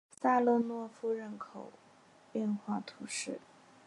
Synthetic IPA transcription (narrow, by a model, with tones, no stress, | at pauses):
sa˥lɔ˥˧nwɔ˥˧fu˥ɻə˥˩nkʰo˨˩ʊ | ɛ˥˧nxwa˥˩t̪ʰu˧˥ʂɻ̩˥˩